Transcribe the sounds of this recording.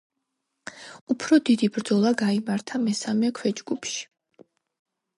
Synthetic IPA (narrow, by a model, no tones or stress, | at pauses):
upʰɾɔd̪id̪ibɾd̪zɔlˠaɡaimaɾt̪ʰamɛsamɛkʰwɛd͡ʒɡupʰʃi̥